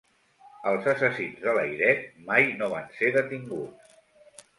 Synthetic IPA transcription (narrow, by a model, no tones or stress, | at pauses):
əlˠzəsəsinzðələjɾɛt̪̚majnoβ̞anseðət̪iŋɡutt͡s